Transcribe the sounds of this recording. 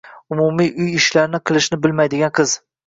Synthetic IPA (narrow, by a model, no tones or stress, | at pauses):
ʊmumiʔʊjɪʃlaɾnɪqʰɨlˠɪʃnɪbɪlmajd̪ɪɡʲanqʰɨz